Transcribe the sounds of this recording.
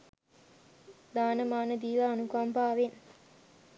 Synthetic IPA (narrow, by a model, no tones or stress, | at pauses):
d̪aːnəmaːnəd̪iːʋaːnukampaːʋen